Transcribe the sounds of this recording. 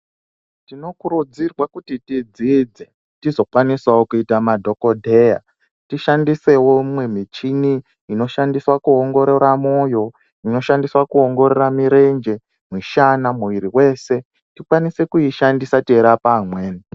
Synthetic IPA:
tino̞kuɾud͡zirwakutitid͡zid͡ze | tizo̞kwaniswawokuitamadʱo̞ko̞dʱe̞ja̰ | tiʃandise̞womwe̞mit͡ʃiniː | no̞ʃandiswakuoŋɡo̞ɾeɾamo̞ːjo̞ | ino̞ʃandiswakuoŋɡo̞ɾeramiɾe̞nd͡ʒe̞ | mwiʃanamuʋiɾiwe̞se̞ | tikwanise̞kuiʃandisatieɾapamweːni

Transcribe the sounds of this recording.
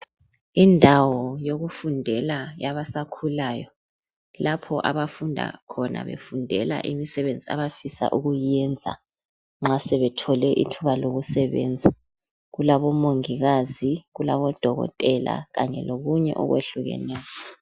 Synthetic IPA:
indʱawɔjoɣufundʱɛlajaβasakʰulaːjɔ | lapʰɔʔaβafundʱa̰kʰɔna̰βḛfundʱɛla̰ʔimisɛβend͡zʱia̰βafisa̰ʔuɣujɛnd͡zʱa̰ | ŋ͡ǁasɛβɛtʰɔlɛʔḭtʰuβaloɣusɛβɛ̰nd͡zʱa | ɣulaβɔmoŋiɣaziɣulaβɔd̥ʱɔɣɔ̰tʼɛla̰ɣaɲɛ̰loɣuɲɛ̰ʔɔ̰ɣwḛɬuɣɛ̰nɛːjɔ

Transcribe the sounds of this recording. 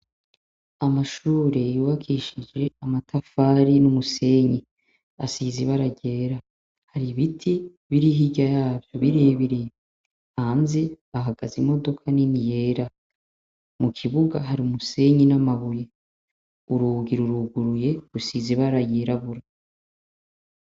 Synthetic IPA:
amaʃuːɾe̞juβakʰiʃid͡ʒe̞amatʰafaːɾinumuse̞ɲi | asiziβaɾaɟe̞ːɾa | haɾiβitʰi | βiɾiɦiɟajaːvjo̞βiɾeβiɾe | haːnze | aɦaɡazimo̞do̞kʰaninije̞ːɾa | mukʰiβuɡaɦaɾiumuse̞ɲinamaβuje | uɾuːɡiɾuɾuɡuɾuje̞ɾusiziβaɾaɟeɾaβuɾa

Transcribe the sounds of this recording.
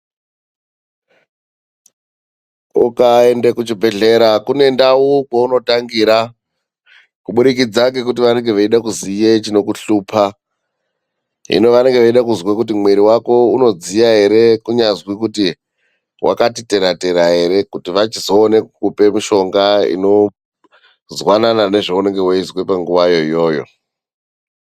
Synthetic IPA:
ukae̞ndekut͡ʃibʱe̞ɮe̞ɾakune̞ndaukauno̞taŋɡiɾa | kuɓuɗikid͡zak̬ek̬ut̬iʋane̞ŋɡeʋaiɗakuzijet͡ʃino̞kuɬuːpʰa | ɦḭno̞ʋane̞ŋɡe̞ʋaiɗakuzwakut̬imweɾiwako̞uno̞d͡zijaɦe̞ɾe̞kuɲazwikuti | wʔa̰katite̞ɾate̞ɾaɦe̞ɾe̞kutiʋat͡ʃizo̞ːne̞kkupe̞miʃo̞ŋɡaḭno̞ | zwananane̞ʐeune̞ŋɡe̞waizwepaŋɡuʋajo̞ijo̞ːjo̞̰

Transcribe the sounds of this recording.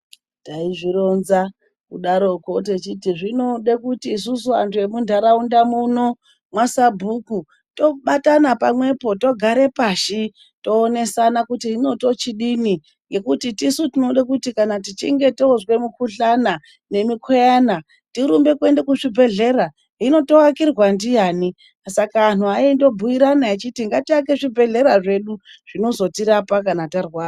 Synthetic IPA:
taiʐiɾo̞nza | kuɗaɾo̞ko̞t̬e̞t͡ʃitiʐino̞ɗekutiːs̬usua̰ntʰuemundʱaɾaundamuno̞ | mwasabʱuku | to̞ɓatanapamwe̞po̞to̞ɡʱaɾe̞paʃi | to̞ːne̞sanakutiino̞to̞t͡ʃiɗini | je̞kutitisutinoɗakutikanat̬it͡ʃḭŋɡe̞tozwe̞mukuɬana | ne̞mikʰojana | tiɾumbe̞kwe̞ndekuʐibʱe̞ɮe̞ɾa | ɦino̞to̞wakirwandijaːni | sakaːn̤uaindo̞bʱuiɾanait͡ʃitiŋɡatiak̬e̞ʐibʱe̞ɮe̞ɾaʐe̞ɗuʐ̥ino̞zo̞tiɾapakanatarwaːra

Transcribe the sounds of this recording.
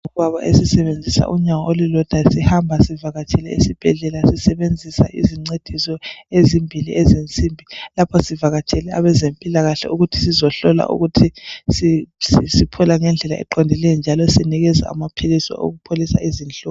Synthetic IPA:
ɔaβaʔesisɛβend͡zʱisa̰ʔuɲaŋɔolilɔd̥ʱasihambʱasivaɣat͡ʃʰʼɛlɛḭsib̥ʱɛɮɛlasisɛβend͡zʱisa̰ʔḭziŋ͡ǀed̥ʱisɔezimbʱilḭʔezint͡sʼimbʱilapʰɔsivaɣat͡ʃʰʼɛlɛaβɛzempʼilaɣaɬɛ̰uɣutʰi̥sizɔɬɔla̰ʔṵɣutʰisissipʰɔlaŋɛnd͡ɮʱɛlaɛ̰ǃɔndʱɛlɛjɔnd͡ʒʱalɔsiniɣɛza̰a̰mapʰilisɔ̰ʔo̰ɣupʰolisa̰izinɬʼɔ

